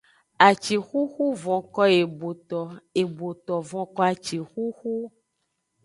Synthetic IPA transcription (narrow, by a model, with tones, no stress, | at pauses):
a˨t͡ʃi˨xu˦xu˦vɔ̃˨kɔ˦e˨bo˨t̪ɔ˨e˨bo˨t̪ɔ˨vɔ̃˨kɔ˦a˨t͡ʃi˨xu˦xu˦